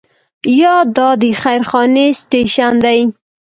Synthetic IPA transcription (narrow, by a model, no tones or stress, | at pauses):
jɑd̪ɑd̪əxajɾxɑnesʈeʃand̪aj